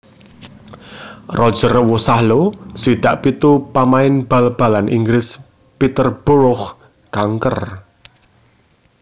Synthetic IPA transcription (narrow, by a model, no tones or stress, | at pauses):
rɔd̥ʒ̥ərwusahloswid̪̥a̤ʔpit̪upamaɪnb̥a̤lb̥a̤lanʔḭŋɡɾɪs | pit̪ərb̥uɾʊx | kaŋkər